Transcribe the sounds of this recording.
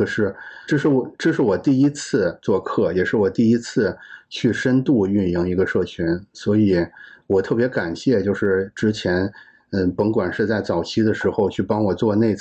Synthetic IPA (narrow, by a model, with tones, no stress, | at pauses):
ə˩ʂɻ̩˥˩ʈ͡ʂɤ˥˧ʂɻ̩˥˩wʈ͡ʂɤ˥˧ʂ̬ɻ̩˥˩wɔ˨˩t̪i˥˩i˥t͡sʰɹ̩˥˧t͡swɔ˥˧kʰɤ˥˩jɛ˨˩ʂɻ̩˥˩wɔ˨˩t̪i˥˩i˥t͡sʰɹ̩˥˧t͡ɕʰy˥˩ʂə˥nt̪u˥˧y˥˧ni˧˩ŋi˧˥ɡə˧ʂɤ˥˩t͡ɕʰy˥nswɔ˧˥i˨˩˦wɔ˨˩t̪ʰɤ˥˩pjɛ˧˥ka˨˩nɕjɛ˥˧t͡ɕjo˥˧ʊʂɻ̩˥˩ʈ͡ʂɻ̩˥t͡ɕʰjɛ˧˥n | ə˥˧pə˧˥ŋkwa˨˩nʂɻ̩˥˧t͡sa˥˩ɪt͡sɑ˨˩ʊt͡ɕʰi˥d̪ə˨ʂɻ̩˧˥xo˧ʊt͡ɕʰy˥˩pɑ˥ŋwɔ˨˩t͡swɔ˥˧ne˥˧ɪt͡s